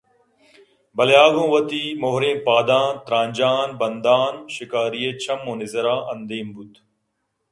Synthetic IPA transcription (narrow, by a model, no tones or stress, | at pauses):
bɐljaːɡõːʋɐt̪iːmoɦɾẽːpaːd̪ãːnt̪ɾãːɲʲd͡ʑaːnbɐnd̪aːnʃɪkaːɾijeːt͡ɕʰɐmːõːnɪzɐɾãːʔɐnd̪eːmbut̪